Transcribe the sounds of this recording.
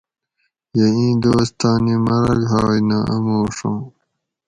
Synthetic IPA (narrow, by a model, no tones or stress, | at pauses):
jeĩːd̪oːst̪ɑːnimɐɾɐɡɦaːinɐʔɐmoːʂõː